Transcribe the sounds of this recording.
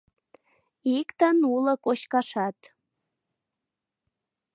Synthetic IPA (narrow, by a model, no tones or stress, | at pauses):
ikt̪ənulə̆koɕkɑʃɑt̪